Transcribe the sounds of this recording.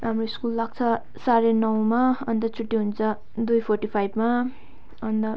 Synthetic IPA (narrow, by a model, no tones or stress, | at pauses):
ramroiskulːaɡ̚t͡sʰʌ | saɾenʌw̃maʌnd̪ʌt͡sʰuʈːiɦunt͡sʰʌ | d̪ujpʰorʈipʰajbma | ʌnd̪ʌ